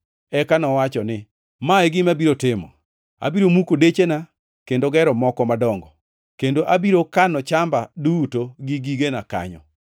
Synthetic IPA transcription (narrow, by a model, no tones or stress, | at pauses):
ɛkanɔwat͡ʃɔnɪ | maɛɡɪmabiɾotɪmɔ̰ | a̰biɾomukodet͡ʃena | kendoɡɛɾɔmɔkɔmadɔŋɡɔ | kendoʔabiɾokanɔt͡ʃambadutoɡiɡiɡenaka̰ɲɔ̰